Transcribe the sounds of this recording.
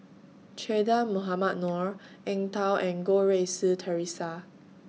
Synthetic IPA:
t͡ʃʰedamoɦamat̚nɔɹʔɛ̃ŋtawʔɛ̃nɡoɹesutʰəɹisa

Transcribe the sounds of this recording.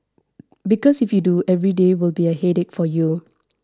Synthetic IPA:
bikɔsifjuduʔɛvɹidewilbiəhedɛk̚fɔju

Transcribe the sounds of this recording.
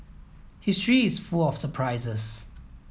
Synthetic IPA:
hɪstɹiɪsfulɔfsəpʰɹaɪzəs

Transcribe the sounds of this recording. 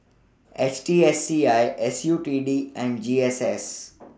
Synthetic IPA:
et͡ʃʈiːesːiːaɪʔesjuːʈiːɖiːɛ̃ɳɖd͡ʒiːeses

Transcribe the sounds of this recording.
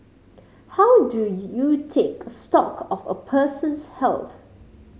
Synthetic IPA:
hawdujutʰekstɔkʰɔfə̰pʰəsə̃nshɛ̰lt̪

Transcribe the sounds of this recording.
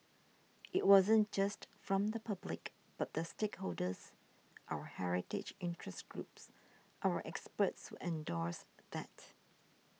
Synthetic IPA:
it̚wɔzə̃nd͡ʒastfɹɔ̃md̪əpʰablɪk | b̥at̚d̪əstekholdəs | ʔawəhɛɹɪtɪ̰d͡ʒĩntʰɹɛsɡɹups | ʔawəʔɛkspətswṵʔɛ̃ndɔɹsdɛt

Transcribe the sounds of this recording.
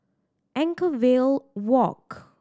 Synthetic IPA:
ʔɛ̃ŋkəvelwɔk

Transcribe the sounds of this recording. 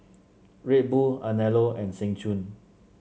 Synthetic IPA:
ɹet̚buanɛloɛ̃nsɛ̃ŋt͡ʃũn

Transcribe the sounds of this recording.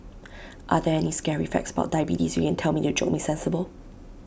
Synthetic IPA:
ʔaðɛɛniskɛɹifɛ̰k̚tsəba̰ʊt̚d̥aɪbitisjukɛ̃ntʰɛlˠmitud͡ʒok̚misɛ̃nsəbəlˠ

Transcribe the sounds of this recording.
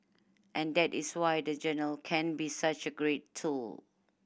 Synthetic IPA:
ʔɛ̃ndɛtɪswajdəd͡ʒənɹəlkʰɛ̃nbisat͡ʃəɡɹettʰul

